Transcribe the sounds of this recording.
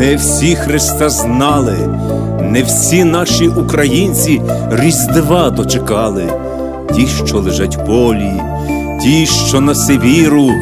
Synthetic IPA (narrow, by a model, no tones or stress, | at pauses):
ɛwsʲixɾɪst̪ɑznɑlˠɪ | nɛwsʲinɑʃiʔukɾɐjinʲt͡sʲi | rʲizʲd̪eʋɑd̪ɔt͡ʃekɑlˠɪ | tʲiʃt͡ʃɔlˠeʒɑtʲbɔlʲi | tʲiʃt͡ʃɔnɐseʋʲiɾʊ